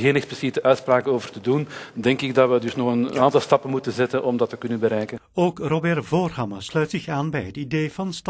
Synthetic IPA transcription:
ɣeːnɛxsplisitəʔœɥtspraːkənoːvərtədundɛŋkɪɡ̚dɑtʋədʏsnɔxənaːntɑlˠstɑpənmutənzɛtənʔɔmdɑtːəkʏnənbəɾɛjkənowkrobɛrvoːrhɑməslœɥtsɪxaːnbɛjɦətidejvɑnstɑ

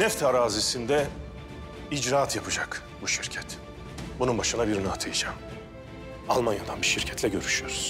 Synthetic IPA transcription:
nɛft̪ʰaɾaːzisind̪ɛ | id͡ʒɾaːt̪ʰjapʰɯd͡ʒak | buʃiɾcʰɛt̪ | bununbaʃɯnabiɾnat̪ʰɯjad͡ʒaːm | alˠmanjad̪anbiʃiɾcʰɛ̥t̪ʰlʲɛɟø̞ɾyʃyjoɾuz̥

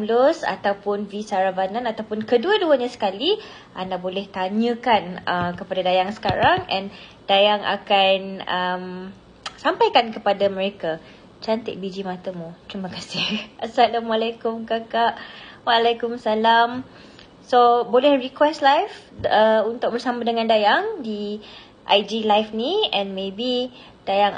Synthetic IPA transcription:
mlʊsa̰t̪awpʊnvisaɾabananat̪awpʊnkəduəduəɲãsə̥kali | ʔandaʔbolɛht̪aɲə̃kanəkəpadadajaŋsə̥kaɾaŋɛ̰n | d̥ajaŋa̰kanəm | sampajkankəpadaməɾeka | t͡ʃant̪ɪ̰ʔ̚bid͡ʒimãt̪əmũt̪ɾimə̃kasɪhʔasalamwalajkʊmkakaʔwaːlajkʊmsalam | sobolɛhɹikwɛstlajf | əunt̪ʊk̚bərsamadəŋãndajaŋdi | ʔajd͡ʒilajfniɛ̃nmẽbi | d̥ajaŋ

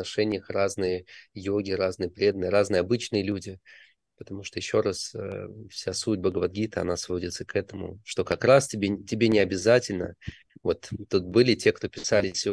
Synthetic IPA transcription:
nɐʂɛnʲɪjəxraznɨjəjoɡʲɪɾaznɨjəpɾʲe̞d̪ənɨjɾaznɨjəɐbɨt͡ɕnɨjəlʲudʲɪ | pət̪ɐmuʂt̪o̞jɪɕːo̞ɾasə̰fsʲasut̚ʲbəɡəvɐrɡʲit̪əɐ̰nasvo̞dʲɪt̪səkɛt̪əmʊ̰ʂt̪o̞kɐkɾastʲɪbʲetʲɪbʲenʲɪɐbʲɪzatʲɪlʲnə̰ | vo̞t̪ːut̪̚bɨlʲɪtʲe̞kt̪o̞pʲɪ̥salʲɪsʲ

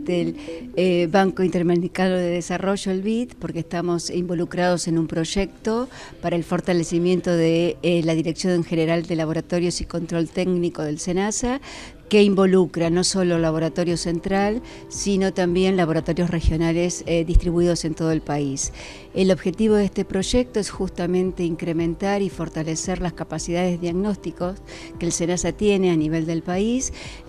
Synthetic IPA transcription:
d̪eleβaŋkoint̪eɾmeikanoðeðesaro̞ʒoelβit̪po̞ɾkest̪amo̞simbo̞lukɾað̞o̞se̞numpɾo̞ʒek̚t̪o̞ | paɾaelfo̞ɾt̪alesimje̞nt̪o̞ðelaðiɾeksjo̞neŋxeneɾald̪e̞laβ̞o̞ɾat̪o̞ɾjo̞siko̞nt̪ɾo̞lt̪ekniko̞ðe̞lsenasa | keimbo̞lukɾano̞so̞lolaβ̞o̞ɾat̪o̞ɾjo̞se̞nt̪ɾal | sino̞t̪ambje̞nlaβ̞o̞ɾat̪o̞ɾjo̞srexjo̞nalesðist̪ɾiβuiðo̞se̞nt̪o̞ð̞oe̞lpais | elo̞βxe̞t̪iβo̞ðeest̪e̞pɾo̞ʒek̚t̪oesxust̪amẽ̞nt̪e̞iŋkɾe̞mẽ̞nt̪aɾifo̞ɾt̪ale̞seɾlaskapasiðaðezðijaɣno̞st̪ikos | kelse̞nasat̪je̞ne̞aniβ̞e̞ld̪e̞lpais

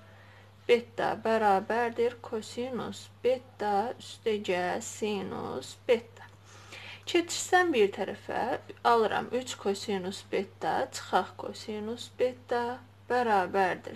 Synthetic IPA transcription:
b̥et̪̚d̪ɑ̰bæɾɑːbæɾd̪iɾkʰosinusb̥et̪̚d̪ɑyst̪æd͡ʒæsinṵsb̥et̪̚d̪ɑ̥ | cʰet͡ʃ̪ʰiɾsæmbiɾt̪ʰæɾæ̰fæ̰ɑlˠɯɾʔɑ̰mʔyt͡ʃʰkʰosinusbet̪̚d̪ɑ̰t͡ʃʰɯ̥χɑχkʰo̞̰sinusbet̪̚d̪ɑ | b̥æɾɑːbæɾd̪ḭɾ

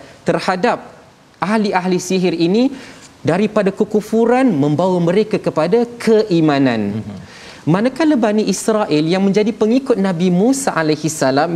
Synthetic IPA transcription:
t̪ərhadap̚ | ʔahliʔaɦlisiɦɪɾinidaɾipadakəkufuɾanmə̃mbawamə̃ɾekakəpadakʰəʔimãnã̰n | mãnakaləbaniʔisɾaʔiljaŋmə̃ɲd͡ʒadipəŋikʊt̪̚nãbimũsaʔalajhisalam

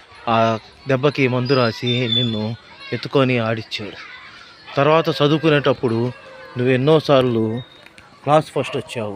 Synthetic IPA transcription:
aː | ɖ̪ɛbːɐkimɐnd̪uɾaːsininːu | et̪ːu̥koːniaːɽit͡ʃːaːɽu | t̪ɐɾʋaːt̪ɐt͡ʃɐd̪ukuneːʈɐpːuɽunuʋːe̞nːoːsaːɾlu | klaːspʰɐsʈɐt͡ʃːaːwu

